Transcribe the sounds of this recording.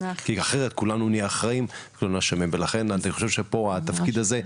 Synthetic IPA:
kiaχeʁet̪kulanunieχʁaimkulanuaʃamimvelaχenaniχo̞ʃevʃepo̞at̪afkid̪aze̞

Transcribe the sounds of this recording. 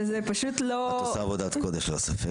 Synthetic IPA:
zepaʃut̪lotosavod̪at̪kod̪eʃlosɐfe

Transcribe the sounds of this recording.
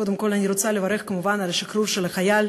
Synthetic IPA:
od̪ɪmko̞lʲanʲiɾot͡s̪salʲevaɾɛxkɐmuvanalɐʃikɾuɾʃelɐxajal

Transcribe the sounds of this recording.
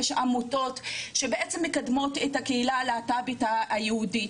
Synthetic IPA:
ʃʔamuto̞tʃebeʔet͡semːekadmotethakeilaleatabitaːjeudi

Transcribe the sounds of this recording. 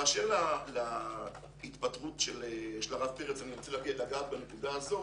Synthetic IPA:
aːʃeʁlala | it̪patʁutʃeleʃelaʁavpeʁet͡sanit͡selaɡietaɡat̪bane̞kudaːzo̞

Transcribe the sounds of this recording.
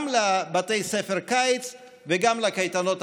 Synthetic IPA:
mlebat̪ejsefeʁkajt͡s | veɡamlakajt̪ano̞t

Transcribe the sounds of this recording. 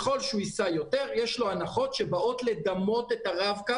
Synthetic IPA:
χo̞lʃuisajo̞teʁjeʃlo̞anaχo̞t̪ʃebaʔotled̪amo̞tet̪aʁavka

